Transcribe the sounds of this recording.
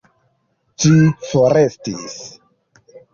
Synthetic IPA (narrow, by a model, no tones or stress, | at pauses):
t͡ʃifoɾestis